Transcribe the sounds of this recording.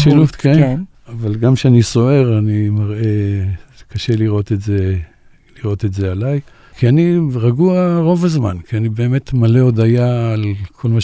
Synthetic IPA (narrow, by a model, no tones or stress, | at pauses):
ʃiluft̪ke | avalɡamʃeaniso̞e̞ʁanimaʁe | kaʃe̞liʁo̞t̪etze | liʁo̞t̪etzealaj | kʰianiʁaɡuaʁo̞vazma̰nkʰianibe̞ːmet̪maleod̪ajaːlkʰo̞lmaʃ